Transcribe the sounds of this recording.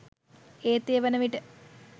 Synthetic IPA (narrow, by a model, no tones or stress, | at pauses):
eːt̪ːejʋɐnɐʋiʈɨ